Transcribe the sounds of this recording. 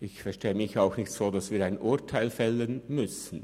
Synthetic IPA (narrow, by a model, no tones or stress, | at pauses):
ʔɪçfɛɐʃteːəmɪçaʊxnɪçtz̥oːdɑsviːɐɾaɪnʔʊɐtʰaɪlfɛlənmʏsn̩